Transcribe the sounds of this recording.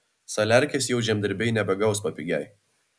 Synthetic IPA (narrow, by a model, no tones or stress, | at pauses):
sɐlʲæˑɾʲkʲesjɛʊʒʲɛmd̪ʲɐɾʲbʲɛɪnʲɛbʲɛɡɐʊspɐpʲiɡʲɛɪ